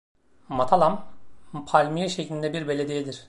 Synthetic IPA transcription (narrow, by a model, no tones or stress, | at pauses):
mat̪ʰalˠampʰalʲmijɛʃeclʲind̪ɛbiɾbe̞lʲe̞d̪ijed̪iɾ̥